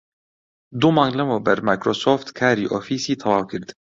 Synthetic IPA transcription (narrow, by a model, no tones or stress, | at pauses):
d̪umɑ̃ːŋɡlɛmoːbɛɾmaːjkɾoːsoːft̪kʰaːɾiːʔoːfiːsiːt̪ʰɑwɑːwkʰɨɾd̪